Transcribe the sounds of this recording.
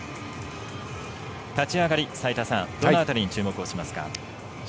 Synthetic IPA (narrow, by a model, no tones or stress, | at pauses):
t̪at͡ɕiaɡaɾʲisait̪asã̰ŋd̪̥ooat̪aɾʲiɲ̟it͡ɕɨːmo̞kɯ̟o̞ɕimasɨ̥ka̰